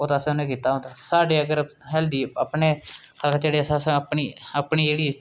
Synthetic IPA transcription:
oːt̪aːsẽʊnẽːkiːt̪aːɦõːnd̪aːsaːɖeːəkəɾɦɛld̪iːəpɳeː | kʰəlkːd͡ʒeːɽeːsasẽpɳiːəpɳiːd͡ʒeːɽiː

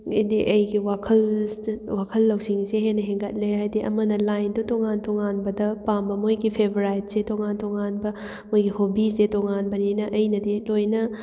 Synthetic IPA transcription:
ḭdiʔɐjɡiwakʰɐlwakʰɐlːɐwsiŋseɦenɐɦeŋɡɐt̚leɦajdiʔɐ̰mɐnɐlajndutoŋantoŋanbɐdɐpambɐmojɡipʰebɾajt̚setoŋantoŋanbɐ | mojɡihobisetoŋanbɐninɐʔɐjnɐdilojnɐ

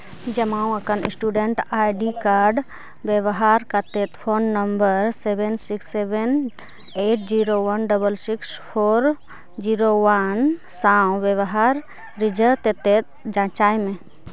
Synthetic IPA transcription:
d͡ʒəmaũəkənḭsʈuɖeɳʈajɖikaɾɖ | bjeʋəɦaɾkət̪et̪pʰonːəmbəɾsebensiksːeben | eʈ̚d͡ʒiɾoʋənɖəbəlsikspʰoɾ | d͡ʒiɾowən | saũʋjəʋəɦaɾ | ɾid͡ʒət̪et̪et̪̚d͡ʒãt͡ʃajmẽ

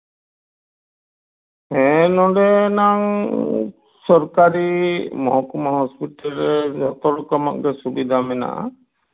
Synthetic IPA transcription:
ɛnɔɖɛnaŋ | sɔɾkaɾimɔɦɔkɔmaɦɔspiʈalɛd͡ʒɔt̪ɔlɔkɔma̰kɡɛsubid̪ʱamɛna̰ʔa̰

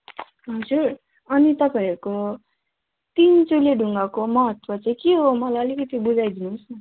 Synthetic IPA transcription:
ɦʌd͡zuɾ | ʌnit̪ʌpaiɾuko | t̪int͡suleɖʱuŋɡakomʌɦʌt̪wʌt͡sãĩkeɦomʌlajʌlikʌt̪ibud͡zajd̪inus

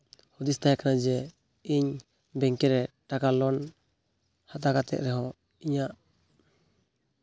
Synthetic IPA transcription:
hud̪ist̪ajakanad͡ʒɛ | iɲ | bɛŋkɛɾɛʈakalɔn | hat̪akat̪ɛ̰ʔ̪̚ɾɛɦɔ̃ | iɲaʔ

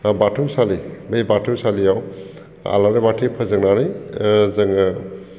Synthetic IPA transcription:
batʰɯwsalibejbatʰɯwsalijaw | a̰laɾebatʰipʰɯzɯŋnanɯjzɯŋ

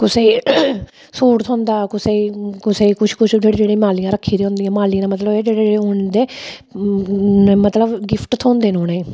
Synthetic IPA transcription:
kʊseː | soːʈt̪ʰõːnd̪aːkʊseːkʊseːkʊt͡ʃʰkʊt͡ʃʰd͡ʒeːɽeːd͡ʒeːɽẽːmaːlijãːɾəkʰːiːd̪iɦõːnd̪ijãːmaːliãmət̪ləbeːd͡ʒeːɽeːeːɦʊd̪eː | mət̪ləbɡɪpʰʈt̪ʰõːnd̪eːnoːneː

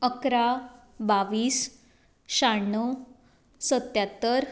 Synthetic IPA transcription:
əkɾa | baʋiːs | ɕaɳːə | sət̪jat̪əɾ

